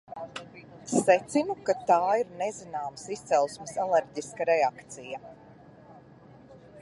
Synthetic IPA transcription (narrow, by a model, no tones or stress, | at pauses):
sɛt̪sinukat̪aːiɾnezinaːmsist̪sɛlˠsmɪsalɛɾɟiskaɾɛakt̪sija